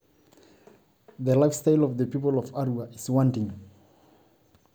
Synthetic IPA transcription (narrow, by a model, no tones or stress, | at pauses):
ðəlaɪfstaɪlɔvðəpipəlɔvaɹuaɪzwɔ̃ntɪ̃ŋ